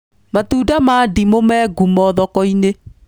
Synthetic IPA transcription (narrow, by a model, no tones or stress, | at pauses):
matuːdamaːdimomɛːɡumɔðɔkɔine